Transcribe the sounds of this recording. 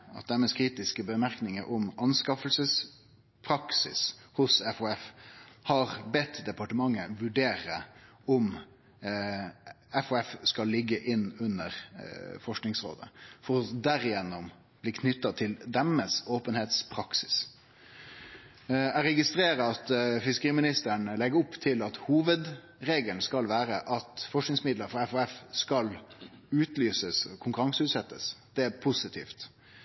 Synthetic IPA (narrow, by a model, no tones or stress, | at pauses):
ɑ̰t̪̚d̪æməskʰɾiːt̪ɪskəbəmæɾknɪŋəɾʔɔmʔɑnskɑfəlsəs | pʰɾɑksɪ̰shʊsɛfɔɛfhɑɾbɛt̪ːd̪ɛpɑʈəmɑŋːəʋʉɖeːɾə | ɔm | ɛfɔɛfskɑllɪɡːəʔɪnːʉnːəɾfɔʂknɪŋsɾo̰ːd̪ə̰fɔɾɔd̪æɾɪjɛnːʊm | b̥liːkʰnʏt̪ːɑt̪ʰɪld̪ɛməsoːpənheːt̪spʰɾɑksɪ̥s | æɾɛɡɪst̪ɾeːɾəɑt̪fɪskəɾiːmɪnɪst̪əɳlɛɡəɾʊpːt̪ʰɪlɑt̪huːʋəd̪ | ɾeːɡəlnskɑlʋæːɾəʔɑt̪fɔʂknɪŋsmɪd̪ləɾfɾɑɛfɔɛfskɑlʉːt̪lyːsəskʰʊŋkʉɾɑŋsəʉːt̪sɛt̪ːəsd̪̥ɛpʰʊsɪt̪ʰḭːft̪